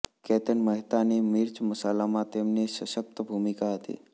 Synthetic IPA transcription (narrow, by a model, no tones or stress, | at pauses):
kɛt̪əɳməɦt̪anemiɾt͡ʃməsalamãt̪emneʃəʃəp̚t̪bʱumikaɦət̪ḭ